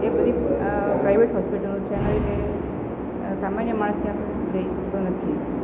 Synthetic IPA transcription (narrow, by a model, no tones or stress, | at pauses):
ebəd̪ipɾaiʋeʈɦɔspiʈəlt͡ʃʰenəɾke | samanjəmaɭ̃əst̪jãsũ | d͡ʒəiʃək̚t̪onət̪ʰi